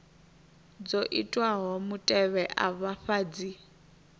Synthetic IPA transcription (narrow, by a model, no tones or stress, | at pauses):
d͡zoʔitʼwaɦɔmutʼɛβɛʔaβaɸaːd͡zi